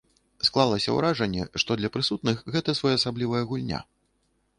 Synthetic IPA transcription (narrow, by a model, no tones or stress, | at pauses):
sklˠalˠɐsʲɐ̰wɾaʐɐnʲːɛ̰ʂt̪ɔd̪lʲɐpɾɨsut̪̚nɨxɣɛt̪ɐsvɔjaɐsablʲivɐjɐɣulʲnʲa̰